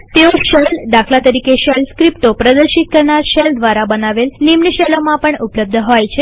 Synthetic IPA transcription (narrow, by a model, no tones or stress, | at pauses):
t̪eʋoɕəld̪akʰlat̪əɾiːkeɕəlskɾipʈopɾəd̪əɾɕit̪̚kəɾɳaɾɕəld̪ʋaɾabənaʋelnimnəɕelomapəɳupləb̚d̪ʱəɦojt͡ɕʰe